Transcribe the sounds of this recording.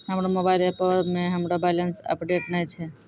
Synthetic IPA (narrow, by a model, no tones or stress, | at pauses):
həmɾomobajlepəɾmẽɦəmɾobajlənsə̰pɖeʈnət͡ʃʰe